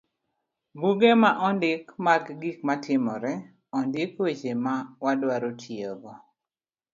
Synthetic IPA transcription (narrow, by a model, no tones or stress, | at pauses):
buɡemaʔɔndɪkmaɡɡikmatɪmɔɾɛ | ɔndɪkwet͡ʃemawadwaɾotʰjeɡɔ